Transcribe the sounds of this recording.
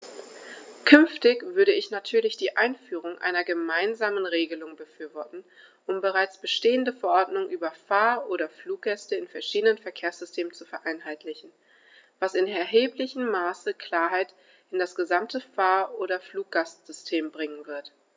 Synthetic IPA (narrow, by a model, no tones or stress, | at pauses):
kʰʏnftɪçv̥ʏɐɾəɪçnatʰyːɐlɪçd̥iːʔa̰ɪnfyːʁ̞ʊŋʔa̰ɪnɐɡəmaɪnzaːmənʁeːɡəlʊŋbəfyːɐvɔɐtn̩ | ʔʊmbəʁaɪt͡sb̥əʃteːəndəfɛɐʔɔɐdnʊŋʔyːbɐfaːɐʔoːɾɐfluːk̚ɡ̥ɛstəɪnfɛɐʃiːdənənfɛɐkʰeːɐsz̥ʏstʰeːmənt͡sufɛɐʔaɪnɦaɪtlɪçn̩ | v̥asɪnɛɐɦeːplɪçəm̩ːaːsəkʰl̥aːɐɦaɪt | ɪndasɡ̥əzamtəfaːɐʔoːɾɐfluːk̚ɡ̥astz̥ʏstʰeːmbʁɪŋənvɪɐt